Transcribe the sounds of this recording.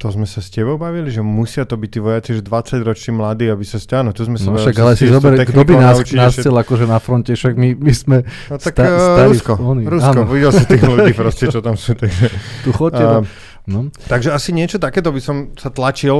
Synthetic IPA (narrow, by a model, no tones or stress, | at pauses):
t̪ɔzmɛsascɛbɔʊbaʋiliʒɛmusɪat̪ɔbic̚t̪iːʋɔjat͡siʒɛd̪ʋat͡saɟɾɔt͡ʃnimlad̪iːabisasɛaːnɔt̪uzmɛsnaɔaɡalɛsizɔbɛɾɛɡd̪ɔbinaaut͡ʃiaːsɛlakɔʒɛnafɾɔncɛfʃaɡmimismɛ | nt̪ak̪asaɾuiskɔɔniɾuasːk̪ɔɔʋiɟɛlsit̪iːxluɟiːpɾɔscɛt͡ʃɔt̪amsuːt̪aɡʒɛt̪uxɔcɛ | nɔt̪aɡʒɛasiɲɪɛt͡ʃɔt̪akɛːt̪ɔbisɔmsat̪lat͡ʃil